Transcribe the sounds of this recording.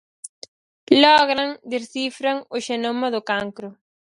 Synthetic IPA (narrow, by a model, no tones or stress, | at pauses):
lɔɣɾaŋd̪eɾθifɾaŋʊʃenomaðʊkaŋkɾʊ